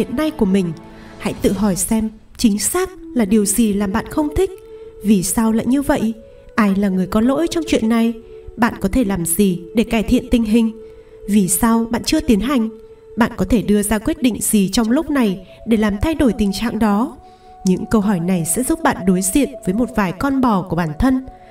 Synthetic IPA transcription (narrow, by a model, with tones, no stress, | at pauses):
ḭ˧˨ənːa˧jku˧˩əmï˨˩ŋ̟ | ha̰˧˥jt̪ɨ̰˧˨ɦɔ˧˩jsɛ˧m | t͡ɕï˨˦ŋ̟saː˦˥k̚laː˨˩ɗi˨˩əwzi˨˩laː˨˩mɓa̰ː˧˨nxə˧wŋ͡mt̪ʰï˦˥k̚vi˨˩sa˧wla̰ː˧˨jɲɨ˧və̰˧˨jʔ | ʔaː˧jlaː˨˩ŋɨ˨˩əjkɔ˨˦lo̰˧˥jt͡ɕɔ˧wŋ͡mt͡ɕwḭ˧˨ənːa˧˩jɓa̰ː˧˨nkɔ˨˦t̪ʰe˧˩laː˨˩mzi˨˩ɗe˧˩kaː˧˩jt̪ʰḭ˧˨ənt̪ï˧ŋ̟ɦï˨˩ŋ̟ | vi˨˩sa˧wɓa̰ː˧˨nt͡ɕɨ˧ət̪i˨˦ənɦa˨˩jŋ̟ | ɓa̰ː˧˨nkɔ˨˦t̪ʰe˧˩ɗɨ˧əzaː˧kwi˦˥t̚ɗḭ˧˨ŋ̟z̥i˨˩t͡ɕɔ˧wŋ͡mlʊ˦˥k͡p̚na˨˩j | ɗe˧˩laː˨˩mt̪ʰa˧jɗo˧˩jt̪ï˨˩ŋ̟t͡ɕa̰ː˧˨ŋɗɔ˨˦ | ɲɨ̰˧˥ŋkə˧wɦɔ˧˩jna˨˩jsɛ̰˧˥zu˦˥p̚ɓa̰ː˧˨nɗo˨˦jzḭ˧˨ənvəː˨˦jmo˨˩t̚vaː˨˩jkɔ˧nɓɔ˨˩ku˧˩əɓaː˧˩nt̪ʰə˧n